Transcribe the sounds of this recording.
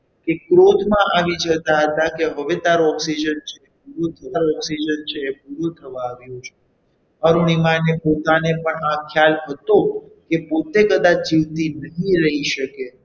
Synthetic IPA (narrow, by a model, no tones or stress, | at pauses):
kekɾod̪ʱmãʔaʋid͡ʒət̪aɦət̪akeɦəʋet̪aɾoɔksid͡ʒənt͡ʃʰeep̚uɾot̪ʰəʋaɾoɔksid͡ʒənt͡ʃʰeːpuɾot̪ʰəʋaːʋjũt͡ʃʰe | əɾonimanepot̪anepəɳakʰjalɦət̪okepot̪ekəd̪ad͡ʒiʋt̪inəɦĩɾəɦiʃəke